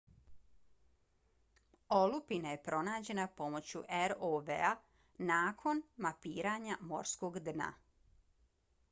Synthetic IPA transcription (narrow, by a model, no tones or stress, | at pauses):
olupinaje̞pɾo̞naːd͡ʑe̞napo̞mo̞t͡ɕuʔeɾoʋḛa | naːkʰo̞nmapiːɾaːɲamo̞̰ɾskoːɡd̪na̰